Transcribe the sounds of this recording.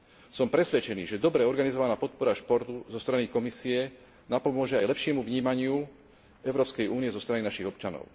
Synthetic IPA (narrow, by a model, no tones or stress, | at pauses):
sɔmpɾɛsʋɛt͡ʃɛnḭːʒɛd̪ɔbɾɛɔɾɡanizɔʋanaːpɔt̪̚pɔɾaʃpɔɾt̪uzɔst̪ɾanikɔmisiɛ | napɔmʊɔʒɛajlɛpʃɪɛmuvɲiːmaɲɪu | ɛʊɾɔːpskɛjʔuːniɛzɔst̪ɾaninaʃiɣɔpt͡ʃanɔ̰ʊ